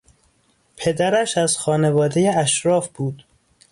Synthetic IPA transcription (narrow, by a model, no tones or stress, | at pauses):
pʰe̞d̪æɾæʃæzxɒːne̞vɒːd̪ejeæʃɾɒːfb̥uːd̪